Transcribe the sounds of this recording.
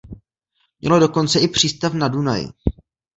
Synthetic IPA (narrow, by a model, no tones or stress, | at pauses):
mɲɛ̰lo̞do̞ko̞nt͡sɛɪpr̝̥iːst̪afnaduna̰jɪ̰